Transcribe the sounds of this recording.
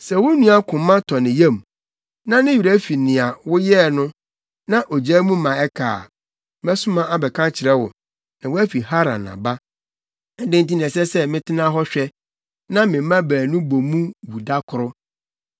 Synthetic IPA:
sɛ˨wʊ˦nũ˦a˦kʰʊ̃˨mːã˦tʰɔ˨nɪ̃˨jɛ̃˦˨m˨ | nã˦nɪ̃˦jɥu˨ɾa˦fi˨nɪ̃˨a˨wʊ˦jɛ˦˨nʊ̃˦ | nã˦ʔo˨d͡ʑɛː˦mũ˦mã˨ɛ˦kʰa̰ː˨ | m˦ɛ˦sʊ̃˦mã˦a˦bɛ˨kʰã˦t͡ɕʰɪ˨ɾɛ˦wʊ̰˨ | nã˨wæ˦fi˨ɦa˦ɾã̰˨nã̰˨ba˦ | ɛ˨˦dɪ̃˦n̩˦tĩ˦nĩ˨ɛ̃˨sɛ˦sɛ˦mɪ̃˦tʰɪ˦nã˦ɦɔ˦ɕᶣɛ˦ | nã˦mɪ̃˨˦mã˦bæː˨nũ˦bo˨mũ˦wu˨da˦kʰʊ˨ɾʊ˦

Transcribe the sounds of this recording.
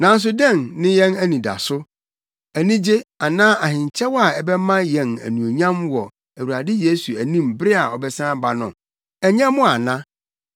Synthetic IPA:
nã˨n̩˦s̬ʊ˦dɛ̃˦˨nnɪ̃˦jɛ̃˦næ˦nĩ˨da̰˨sʊ˦ | æ˨nĩ˦d͡ʑe˦a˨nãː˦ʔa˨hɪ̃˨ɲ˨t͡ɕʰɛ˦wɔ˦a˨ɛ˨bɛ˦mã˦jɛ̃˨næ̰˨nũ˨o˨ɲã˦mwɔ˨ | æ˨wu˨a˨dɪ˦je˦su˨æ˨nĩ˦mbɾɪ˦a˨ɔ˨bɛ˦sãː˦ba˨nʊ̃˨ | ɛ˨ɲã˦mʊ̃˦a˨nã˦

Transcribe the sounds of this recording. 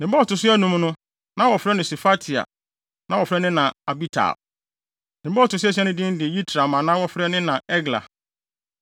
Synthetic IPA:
nɪ̃˨m˦bɔ˦ɔ˨tʊ˨s̬ʊ˦ɛ˦nũ˦m˦nʊ̃˦ | nã˦wɔ˨fɾɛ˦nɪ̃˨sɛ˨fa˦tʰi˨a̰˨ | nã˦wɔ˨fɪɾɛ˦nɪ̃˦nã˨a˨bi˦tʰa̰˨ | nɪ̃˨˦bɔ˦ɔ˨tʊ˨s̬ɛ˦s̬ɛ˦nʊ̃˦dɪ̃˦n˦dɪ˨ji˦tʰɾa˨mã˨nã˦wɔ˦fɾɛ˦nɪ̃˦nã˨ɛ˦ɡla̰˨

